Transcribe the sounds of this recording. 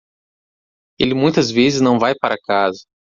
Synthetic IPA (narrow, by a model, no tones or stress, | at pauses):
elɪmũj̃t̪ɐzvezɪznɐ̃w̃vajpaɾɐakazɐ